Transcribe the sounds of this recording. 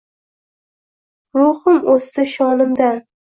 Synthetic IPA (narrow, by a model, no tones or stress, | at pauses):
ɾohɪmost̪aʃɒnɪmd̪an